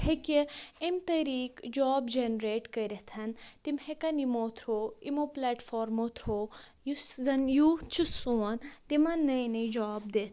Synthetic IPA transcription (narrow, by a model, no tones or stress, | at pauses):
hekeimt̪ɐɾiːkd͡ʒaːbd͡ʒenɾeːʈkɐɾʲɐt̪ʰɐnt̪imhekɐnimoːt̪ʰɾoːimoplaːʈfʰoːɾmot̪ʰɾoː | juzɐnjut͡ʃʰusoːɐnt̪imɐnːɐjnɐd͡ʒaːb̚d̪et̪